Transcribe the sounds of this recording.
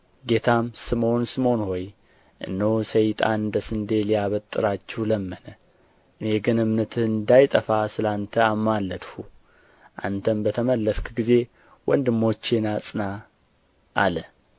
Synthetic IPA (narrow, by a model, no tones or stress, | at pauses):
ɡe̞t̪ʰamsɨmo̞nsɨmo̞nho̞j | ʔɨ̰nːəwsəjt̪ʼa̰nɨnd̪əsɨnd̪elijaβət̪ʼːɨɾat͡ʃːɛwləmːənə | ʔɨneɡɨnɨmnət̪ʰɨnd̪ajt̪ʼəfasɨlant̪ʰəamːalːəd̪hu | ʔa̰nt̪ʰəmbət̪ʰəməlːəskɡize̞ | wʔɔnd̪ɨmːo̞t͡ʃːenasʼɨna | ʔa̰lə